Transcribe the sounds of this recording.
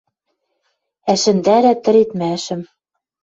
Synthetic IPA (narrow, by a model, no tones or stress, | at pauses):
æʃɘ̆nd̪æɾæt̪ɘ̆ɾet̪mæʃɘ̆m